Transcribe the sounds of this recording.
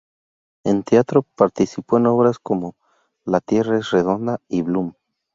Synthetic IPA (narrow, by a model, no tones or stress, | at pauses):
e̞nt̪eat̪ɾo̞paɾt̪isipo̞eno̞βɾasko̞mo̞ | lat̪je̞raesre̞ðo̞nd̪aiβlum